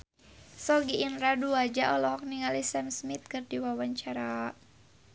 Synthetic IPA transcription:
sɔɡiːnraduad͡ʒaʔɔlɔɦɔk̚niŋalisamsmit̪̚kɨrdiwawaɲt͡ʃaɾa

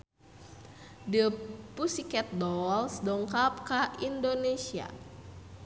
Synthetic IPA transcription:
dəpusikɛt̪̚dɔlsdɔŋkapkaʔindonesia̰

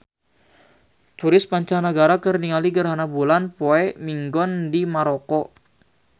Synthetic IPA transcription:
t̪uɾɪspaɲt͡ʃaŋnəɡaɾakərniŋaliɡərɦanabulanpoɛmiŋɡɔndimaɾɔkɔ

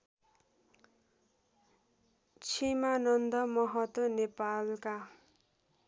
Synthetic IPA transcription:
t͡sʰimanʌnd̪ʌmʌɦʌt̪wʌnepalka

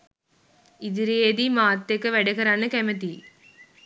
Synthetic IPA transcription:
ɪðɪɾeːðimaːt̪ːɐkːɐʋɛɽɐɣɐɾaːnɐkɐmɐt̪i

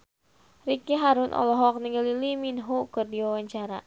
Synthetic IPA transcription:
rikiɦaɾʊnʔɔ̰lɔɦɔk̚niŋɡəliliminɦukɨrdiwawaɲt͡ʃaɾa

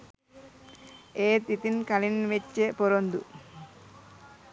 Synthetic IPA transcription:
eːt̪it̪inkɐlinʋet͡ʃːepɔɾond̪ṵ

